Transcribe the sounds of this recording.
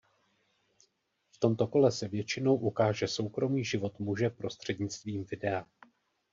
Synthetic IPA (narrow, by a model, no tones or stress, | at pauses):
ft̪o̞mt̪o̞ko̞lɛsɛvjɛt͡ʃɪno̞wʔukaːʒɛso̞wkɾo̞miːʒɪvo̞t̪muʒɛpɾo̞st̪r̝̥ɛdɲɪt͡st̪viːmvɪdɛa